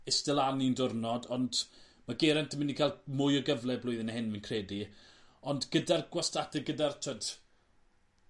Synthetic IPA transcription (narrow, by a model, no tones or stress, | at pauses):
ɪstɛlˠanindʊrnɔdɔnd | maɡeɾɛntʰəmɪnikʰalˠmʊjɔɡəvlˠɛblʊɨðɪnaɦɪnvnkʰreːdiɔndɡədarɡwastadɛɡədartʰəd